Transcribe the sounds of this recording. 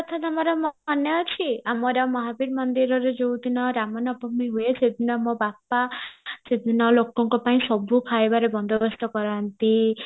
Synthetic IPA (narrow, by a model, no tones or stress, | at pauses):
ɔt̪ʰat̪amɔɾɔmɔɦɔnjat͡ʃʰiamɔɾamɔɦabiɾmɔnd̪iɾɔɾed͡ʒowd̪inɔɾamɔnɔbɔmiɦuesʰed̪ʱinɔmɔbapased̪ʱinɔlokɔŋkɔpaĩsɔbukʰaebaɾebɔnd̪ʱɔbɔst̪ɔkɔɾant̪i